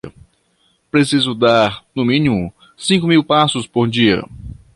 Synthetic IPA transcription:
pɾesizʊd̪aɾnʊmĩnimʊ | sĩŋkʊmiwpasʊspoɾd͡ʒiɐ̰

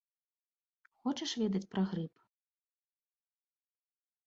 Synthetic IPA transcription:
xɔt͡ʂɐʂvʲɛd̪ɐt͡sʲpɾaɣɾɨp

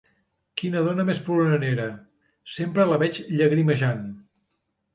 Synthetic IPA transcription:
kinəðonəmespɾunəneɾə | sempɾələβɛt͡ʃʎəɣɾiməʒan

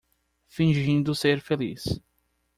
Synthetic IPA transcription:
fĩʒĩnd̪ʊseɾfelḭs

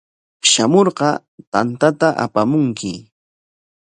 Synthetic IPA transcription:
ʃamoɾɢɑ | t̪ant̪at̪aʔa̰pamʊŋkʰɪ

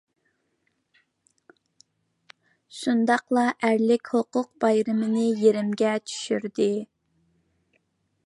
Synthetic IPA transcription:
ʃund̪ɑqlˠɑʔæɾlɪkʲhoqʊq̚bɑjɾɨmɪnɪjeɾɪmɡʲɛt͡ʃʰy̥ʃyɾd̪ɪ

